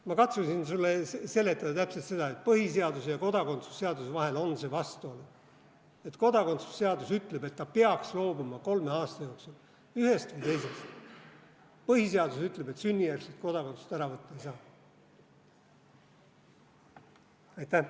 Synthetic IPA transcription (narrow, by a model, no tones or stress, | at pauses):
mɑkɑt̪susinsulːese̞lːe̞t̪ːˑɑd̪ɑt̪æpselt̪se̞d̪̥ɑe̞t̪̚pɤɦise̞ɑd̪usejɑko̞d̪ɑko̞nt̪su̥sːeɑd̪usevɑɦe̞lo̞nse̞vɑst̪uolu | e̞t̪ko̞d̪̥ɑko̞nt̪su̥sːe̞ɑd̪usyt̪ˑle̞be̞t̪ːɑpeɑkslo̞ːbumɑko̞lme̞ɑːst̪ɑjo̞ːksul | yɦe̞st̪vɯjt̪e̞jse̞st̪ | pɤhiseɑd̪usyt̪le̞b̥e̞t̪synʲːijærset̪̚ko̞d̪ɑko̞nt̪su̥st̪æɾɑvɤt̪ˑːɑejsɑː | ɑjt̪ːæ